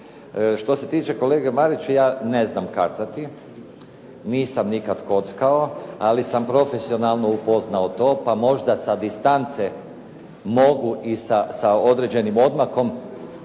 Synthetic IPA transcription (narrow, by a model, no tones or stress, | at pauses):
ʃt̪o̞se̞t̪iːt͡ʃe̞ko̞leːɡemaɾit͡ʃejaːne̞znamkaɾt̪at̪i | niːsamnikad̪ko̞t̪skao̞alisampɾo̞fe̞sio̞nalˠno̞upo̞znaot̪o̞ːpamo̞ʒd̪asad̪ist̪ant̪se | mo̞ɡuʔisasao̞d̪ɾed͡ʑe̞nimo̞d̪maxo̞m